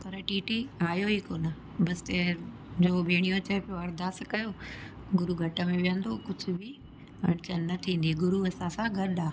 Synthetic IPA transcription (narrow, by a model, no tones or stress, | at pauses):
p̪ɐɾəʈiːʈiaːjoɦiːkoːnə | bɐsɪ̥t̪e | d͡ʑobʱeːɽ̃ijõt͡ɕɐɦepijoɐɾd̪aːskɐjo | ɡʊɾuɡʱɐʈəmẽʋijə̃nd̪okʊd͡ʑʱʊ̆bʱɪ | ɐɽ̃t͡ɕənnɐt̪ʰĩːnd̪iɡʊɾuɐsãsãɡʱɐɾɗaː